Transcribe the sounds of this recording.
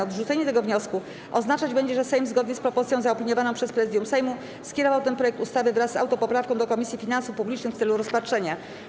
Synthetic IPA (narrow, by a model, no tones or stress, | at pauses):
ɔd̪ʐut̪sɛɲɛt̪ɛɡɔvɲɔsku | ʔɔznat͡ʂad͡ʑbɛɲd͡ʑɛʐɛsɛjmzɡɔd̪ɲɛspɾɔpɔɾt̪sʲjɔ̃w̃zaɔpʲiɲɔvanɔ̃pʂɛspɾɛzɘd̪ʲjũmsɛjmu | skʲɛɾɔvawt̪ɛnpɾɔjɛk̚t̪ust̪avɘvɾasːa̰wt̪ɔpɔpɾafkɔ̃w̃d̪ɔkɔmʲisʲjifʲinansufpublʲit͡ʂnɘkft̪sɛluɾɔspatʂɛɲa